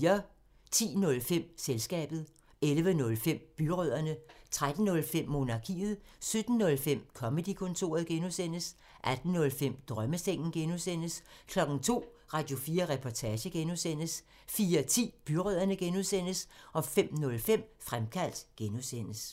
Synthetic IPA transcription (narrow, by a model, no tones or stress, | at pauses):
ɐ | t͡sʰḭːnɔ̽lfem̰selsɡ̥ɛ̰ːb̥ð̩ˠ | elʋənɔ̽lfem̰b̥yʁøð̞̰ˠɐnət͡sʰʁad̥n̩nɔ̽lfem̰ːo̝nɑ̈kʰḭːð̞̩ˠsød̥n̩ːɔ̽lfem̰kʰɒ̽məd̥ikʰɔ̽nt͡sʰo̝̰ːɐð̞ˠɡ̥enusen̰əs | ʔæd̥n̩nɔ̽lfem̰d̥ʁɶməseŋ̰n̩ɡ̥enusen̰əskʰlɒ̽ɡ̥n̩t͡sʰo̝̰ː | ʁɑ̈d̥jo̝fiːɐʁɛpʰɒt͡sʰæːɕəɡ̥enuðˠsen̰əs | fiːɐt͡sʰḭːb̥yʁøð̰ˠɐnəɡ̥enuðˠsen̰əsʔɒ̽fem̰nɔ̽lfem̰fʁamkʰæl̰d̥ɡ̥enusen̰əs